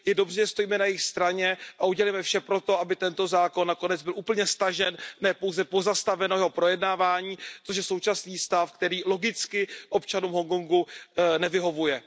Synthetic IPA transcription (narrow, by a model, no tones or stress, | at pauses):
jɛdo̞brɛʒɛst̪o̞jiːmɛnajɪxst̪ɾaɲɛʔauɟɛlɛjmɛfʃɛpɾo̞t̪o̞ʔabɪt̪ɛnt̪o̞zaːko̞nːako̞nɛd͡zbɪlʔuːpl̩ɲɛst̪aʒɛnnɛːpo̞wzɛpo̞zast̪avɛnojɛɦo̞pɾojɛdnaːvaːɲiːt̪oʃ̬jɛso̞wt͡ʃasniːst̪afkt̪ɛɾiːlo̞ɡɪt͡skɪʔo̞pt͡ʃanuːmɦoŋkoŋɡunɛvɪɦo̞vujɛ